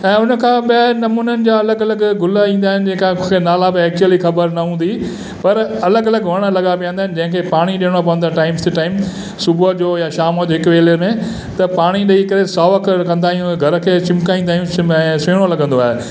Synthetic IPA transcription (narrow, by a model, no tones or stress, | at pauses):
ɛ̃ːʊnə̆kʰãːɓɪnɐmuːnənɪ̆d͡ʑaɐləɡɐləɡɡʊlaĩːnd̪aːɦɪnɪd͡ʑɐ̃ːɪ̃kãnaːlabɪɛːk̚t͡ɕuəlixɐbəɾnɐɦũːnd̪i | pɐɾɐləɡɐləɡʋɐɽ̃ə̆lɐɡapijãnd̪aːɦɪn̆d͡ʑɐ̃ɦɪ̃kʰeːpaːɽ̃iɗeːɽ̃opɐʋə̃nd̪aʈaːɪmst̪ɪʈaːɪm | sʊbd͡ʑoːjaʃaːmod͡ʑoːɦɪkʋeːləmẽ | t̪ɐpaːɽ̃iɗɐikɐɾesaːʋɐkkɐ̃nd̪aːɦijũɡʱɐɾəkʰeːt͡ɕɪ̃mkaːĩːnd̪aːɦijũɛ̃seːɽ̃olɐɡə̃nd̪oaːɦe